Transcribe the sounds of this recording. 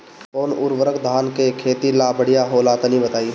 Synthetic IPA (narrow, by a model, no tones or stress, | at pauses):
poːnʊɾʋəɾəkd̪ʱaːnkekʰeːt̪ilaːbəɽijaɦoːlaːt̪anĩbət̪aːi